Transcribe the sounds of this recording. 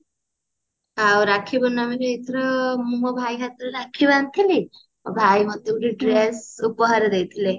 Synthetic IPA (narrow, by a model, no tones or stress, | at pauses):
awɾakʰːibɔnːamiɾeet̪ʰɾɔmuɔbʱajkʰat̪ɾɔɾakʰiβant̪ʰili | ɔbʱajmʌd̪euʈiɖɾesupɔɦaɾed̪ejt̪ʰile